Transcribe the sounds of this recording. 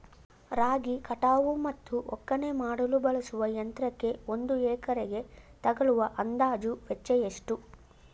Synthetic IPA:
ɾaːɡikɐʈaːʋumɐt̪ːuʔɔkːɐne̞maːɽɐlubɐɭɐsuʋɐjɐnt̪ɾɐkːe̞o̞nd̪uɛːkɐɾeɡe̞t̪ɐɡɐɭuʋɐʔɐnd̪aːd͡ʒuʋet͡ʃːɛjeʂʈu

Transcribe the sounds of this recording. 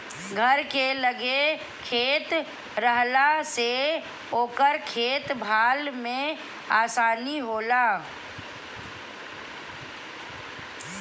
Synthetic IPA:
ɡʱəɾkeləɡe | kʰeːt̪ | ɾəɦlase | oːkəɾkʰeːt̪bʱaːlmẽ | aːsaːniɦoːlaː

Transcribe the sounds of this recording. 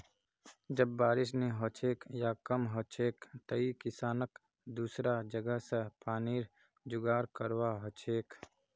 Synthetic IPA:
d͡ʒəbːaːɾɪʃneɦoːt͡ʃʰeːkjaːkəmɦot͡ʃʰeːkt̪ɐikɪsaːnək | d̪uːsɾad͡ʒəɡəɦsepaːniːɾ | d͡ʒʊɡaːɾkəɾwaɦot͡ʃʰeːk

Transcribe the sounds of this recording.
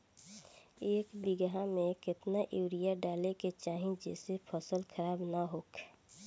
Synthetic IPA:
eːkbɪɡɦamẽkɪt̪naʔewɾijaɖaːleket͡ʃaːɦĩd͡ʒɛ̰ːsepʰəsəlkʰəɾaːbnaɦoːk

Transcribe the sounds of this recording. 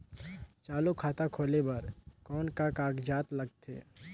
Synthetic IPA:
t͡ʃaːlukʰaːt̪akʰoːlebɐɾkɔːnkakaːɡd͡ʒaːt̪lɐɡ̚t̪ʰḛː

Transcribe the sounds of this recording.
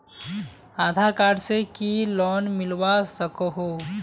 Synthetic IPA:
aːd̪ʱaːɾkaːɾɖsekilɔːnmɪlwasəkɦo

